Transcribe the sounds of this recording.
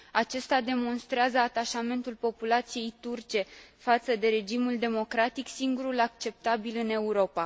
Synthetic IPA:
at͡ʃe̞st̪ad̪e̞mo̞nst̪ɾeazəat̪aʃame̞nt̪ulpo̞pulat̪sije̞jt̪urt͡ʃe̞fat̪səd̪e̞ɾe̞d͡ʒimuld̪e̞mo̞kɾat̪iksiŋɡuɾulak̚t͡ʃe̞p̚t̪abilɨne̞uɾo̞pa

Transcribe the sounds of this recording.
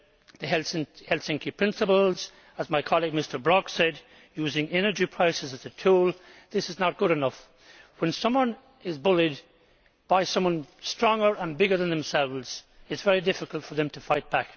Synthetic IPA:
ðəɦɛlsɪ̃hɛlˠsɪ̃ŋkipʰɹ̥ɪ̃nsəpəl̩ˠz̥ | əzmaɪkʰɑlˠiɡ̚mɪstə˞bɹɑksɛd | jʉzɪ̃ŋɛnə˞d͡ʒipʰɹ̥aɪsɨzɨzɨtʰulˠðɪsɨznət̚ɡ̥ʊɾɨnʌf | wə̃nsʌ̃mwʌ̃n | ɪzbʊlid | b̥aɪsʌ̃mwʌ̃nstɹ̥ɔ̃ŋə˞ʔə̃nbɪɡə˞ðə̃nðə̃msɛlˠvz̥ɨtsv̥ɛɹidɪfɨkəlˠtfə˞ðɨ̃mtʰəfaɪt̚b̥æk

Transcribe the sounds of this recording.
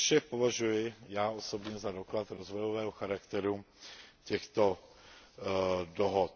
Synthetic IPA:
ʃɛpo̞vaʒujɪjaːʔoso̞bɲɛzado̞klat̪ɾo̞zvojovɛːɦoxaɾakt̪ɛɾu | cɛxt̪o̞ | doɦot̪

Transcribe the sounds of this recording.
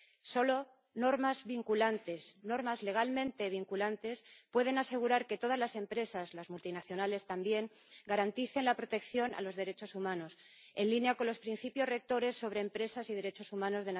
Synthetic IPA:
so̞lo̞ | no̞ɾmazβiŋkulant̪e̞sno̞ɾmazle̞ɣ̞almẽnt̪e̞β̞iŋkulant̪e̞spwe̞ð̞enase̞ɣ̞uɾaɾke̞t̪o̞ð̞azlase̞mpɾe̞sazlazmult̪inaθjo̞nale̞st̪ambje̞ŋ | ɡaɾant̪iθe̞nlapɾo̞t̪e̞kθjo̞na̰lo̞zðe̞ɾe̞t͡ʃo̞sumãno̞s | e̞nlinjako̞nlo̞spɾin̟θipjo̞zre̞k̚t̪o̞ɾe̞sːo̞βɾeːmpɾe̞sasið̞e̞ɾe̞t͡ʃo̞sumãno̞zðe̞n

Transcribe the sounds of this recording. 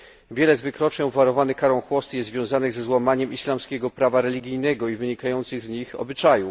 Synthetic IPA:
vʲjɛlɛzvɘkɾɔt͡ʂɲɛ̃wvaɾɔvanɘkaɾɔ̃w̃xwɔst̪jɛzvjɔ̃w̃zanɘɣzɛzwamaɲɛmʔislamskʲɛɡɔpɾavaɾɛlʲiɡʲijnɛɡɔivɘɲikajɔnt̪sɘɣzɲixɔ̰bɘt͡ʂaju

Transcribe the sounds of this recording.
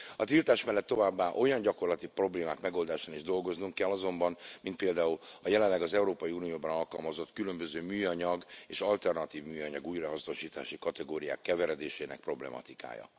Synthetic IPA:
ɒt̪ilt̪aːʃmɛlːɛt̪ːo̞vaːbːaːʔo̞jɒɲɟɒko̞rlɒt̪ipro̞bleːmaːkmɛɡo̞ld̪aːʃaːniʒd̪o̞lɡo̞znuŋkkɛlːɒzo̞mbɒnmint̪peːld̪aːulɒjɛlɛnlːɛɡɒzɛuɾoːpɒjiuːnijoːbɒnɒlkɒlmɒzo̞t̪kylø̞mbøzøːmyːjɒɲɒɡeːʃɒlt̪ɛrnɒt̪iːvmyːjɒɲɒɡuːjrɒɦɒsno̞ʃiːt̪a̰ːʃikɒt̪ɛɡoːɾija̰ːkːɛvɛɾɛd̪eːʃeːnɛ̰k̚pro̞blɛ̰mɒ̰t̪ika̰ːjɒ̰

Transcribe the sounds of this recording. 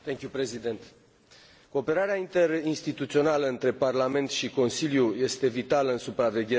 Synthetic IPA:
t̪eŋkʲjupɾezid̪ent̪ | ko̞ːpe̞ɾaɾeaint̪e̞rinst̪it̪ut̪sio̞naləɨnt̪ɾe̞parlame̞nt̪ʃiko̞nsiljuje̞st̪e̞vit̪aləɨnsupɾave̞ɡʲe

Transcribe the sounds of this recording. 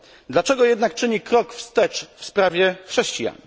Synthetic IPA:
d̪lat͡ʂɛɡɔjɛd̪nak̚t͡ʂɘɲikɾɔkfst̪ɛt͡ʂfspɾavʲjɛxʂɛɕt͡ɕija̰ɲ

